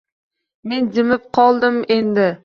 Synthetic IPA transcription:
me̞nd͡ʒɪmɪp̚qʰɒlˠd̪ɪmend̪ɪ

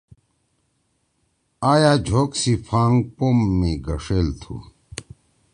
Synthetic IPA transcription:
aːjaːd͡ʑʱoːksipʰaːŋɡpoːmːiɡɐʂeːlt̪ʰṵ

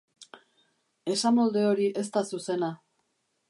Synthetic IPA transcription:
e̞samo̞ld̪e̞o̞ɾiʔe̞st̪asuse̞na

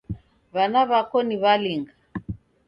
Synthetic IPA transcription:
βanaβakɔniβaliŋɡa

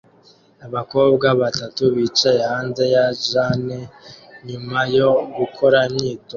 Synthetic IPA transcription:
aβako̞ːbɡaβatatuβiːt͡ʃaje̞haːnze̞jaʒaneɲumajo̞ɡukʰo̞ɾaimɲiːto

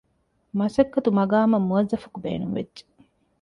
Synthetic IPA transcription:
mɐsɐkːɐt̪umɐɡaːmɐmːuɐzːɐfɐkubḛːnuŋʋḛdd͡ʒe̥

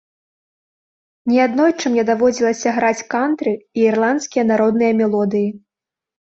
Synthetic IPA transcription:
nʲiad̪nɔjt͡ʂɨmnʲɛd̪avɔd͡zʲilˠɐsʲɐɣɾat͡sʲkant̪ɾɨiːrlˠant̪skʲijɐnaɾɔd̪nɨjɐmʲɛlˠɔd̪ɨji

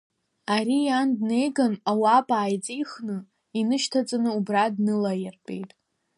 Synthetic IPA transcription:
aɾijandne̞jɡanawapʼaːjt͡sʼijχnɨ | inɨʃtʰat͡sʼanɨubradnɨlajɪrpʼḛjtʼ

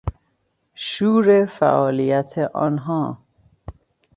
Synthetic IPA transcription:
ʃuːɾefæ̰ʔɒːlijæt̪ʰeʔɒ̰ːnɦɒː

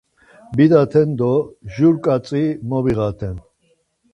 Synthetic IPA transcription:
bid̪at̪ʰɛnd̪ɔʒuɾkʼat͡sʼimɔbiɣat̪ʰɛn

